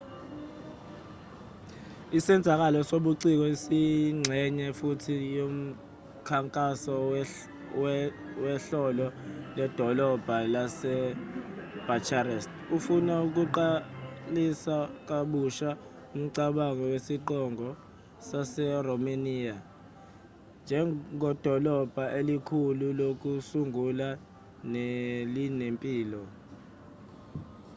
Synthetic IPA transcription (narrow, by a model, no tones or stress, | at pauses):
isɛnd͡zʱak̬alɔsoɓuǀik̬ɔisiŋ͡ǀʱɛɲɛfutʰijom̩ | kʰaŋkʼasɔ | wɛɬɔlɔlɛd̥ʱɔlɔb̥ʱalasɛ | b̥ʱat͡ʃʰarɛst | ufunauk̬uǃalisak̬ʼaɓuʃa | um̩ǀaɓaŋɔwesiǃɔŋʱɔ | sasɛrɔmaniːja | nd͡ʒʱɛŋʱɔd̥ʱɔlɔb̥ʱaʔelikʰululok̬ʼusuŋʱula | nelinempʼiːlɔ